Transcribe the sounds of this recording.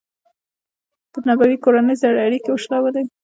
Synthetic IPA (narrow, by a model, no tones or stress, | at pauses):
pənabawikoɾanəjzaɽeaɽikewʊʃlawed̪aj